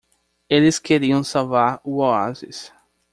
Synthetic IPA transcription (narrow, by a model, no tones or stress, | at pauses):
elɪskeɾiɐ̃w̃sawvaɾʊoazɪ̰s